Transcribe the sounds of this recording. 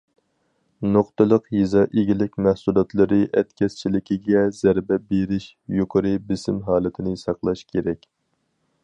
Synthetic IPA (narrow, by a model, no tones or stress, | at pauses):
noqt̪ɨlˠəqjizɑːʔeɡʲilɪkʲmæhsulˠɑt̪lˠɨɾɨʔɛt̪kʲɛst͡ʃʰilɪkʲiɡʲɛzæɾbɛbeɾɪʃ | joqʰəɾɨbɪsɪmɦɑːlˠɨt̪ʰɪnɪsɑqlˠɑʃkʲʰeɾɛkʲ